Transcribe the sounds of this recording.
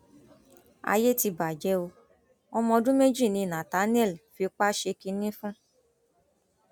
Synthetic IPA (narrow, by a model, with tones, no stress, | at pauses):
a̰˧je˦ti˧ba˨d͡ʒɛ˨˧˦o˧ | ɔ˧mɔ̃˧dũ˦me˦d͡ʒi˦˨nĩ˧˨nã˨ta˨˦n˦ɛ˦˨lfi˧k͡pa˦ʃe˧ki˧nĩ˦fũ˦